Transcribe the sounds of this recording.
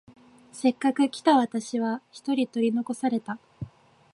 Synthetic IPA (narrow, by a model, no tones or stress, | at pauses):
se̞kːakɯ̟kʲi̥t̪aβat̪aɕiβ̞açi̥t̪o̞ɾʲit̪o̞ɾʲino̞ko̞saɾe̞t̪a